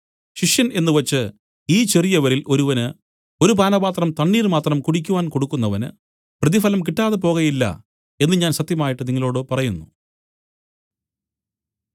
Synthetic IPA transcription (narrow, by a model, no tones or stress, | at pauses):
ɕiʂjɐne̞nːɨʋɐt͡ɕːɨ | iːt͡ɕe̞rijɐʋɐɾilʔo̞ɾuʋɐnɨ | o̞ɾubaːnɐbaːt̪rɐmt̪ɐɳːiːrmaːt̪rɐmkuɽikʲːuʋaːnko̞ɽukːunːɐʋɐnɨ̰ | prɐðifɐlɐmk̬iʈːaːðep̬o̞ːɣɐjilːɐ̰ | e̞nːɨɲaːnɕɐt̪jɐmaːjiʈːɨniŋːɐlo̞ːɽɨpɐrɐjunːu